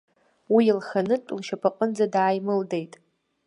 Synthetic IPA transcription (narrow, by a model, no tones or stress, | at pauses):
wilχanɨʈ͡ʂʷʼlʃapʰaqʼənd͡zadaːjmɨlde̞jtʼ